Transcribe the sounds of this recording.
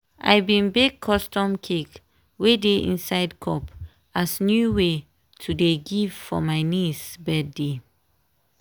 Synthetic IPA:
ʔa̰jbĩnbeɡ̚ʰɔstɔ̃mkʰek | wedeʔḭ̃nsaɪdkʰɔp | asnjuwe | tʰudeɡiv̥fɔ̰maɪnisbɛdde

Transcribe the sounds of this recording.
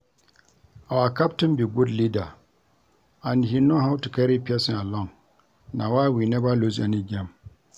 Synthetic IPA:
awakap̚tumbiɡʷudlida | aniɦinːɔɦawtikaɾipiasialɔŋ | nawawinebalozaniɡʲɛm

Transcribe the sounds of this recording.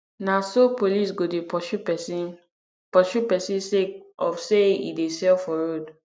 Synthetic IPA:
nãsopolis̬ɡodepɔʃupɛsi | pɔʃupɛsĩseɔfseḭdesɛlfɔɹod

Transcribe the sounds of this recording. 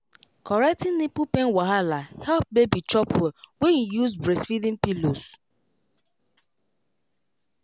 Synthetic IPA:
kɔɾɛk̚tɪ̃nnipupenwaɦalahɛp̚bebit͡ʃɔpwɛwenijuzbɾesfidĩnpilos

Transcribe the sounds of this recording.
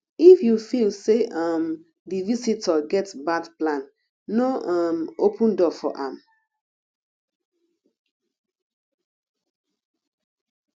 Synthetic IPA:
ifjufilseam | divisitʰɔɡɛtsbadplãn | noʔamopʰũndɔfɔ̰ʔãm

